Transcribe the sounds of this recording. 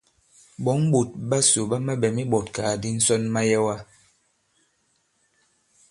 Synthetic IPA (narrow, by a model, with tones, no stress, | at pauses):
bɔ˨˦ŋ˦bu˨t̚ba˦so˨ba˦ma˦bɛ˨mi˦ɓɔ˨tkaː˨di˦n̩˦sɔ˦nma˦jɛ˦wa˦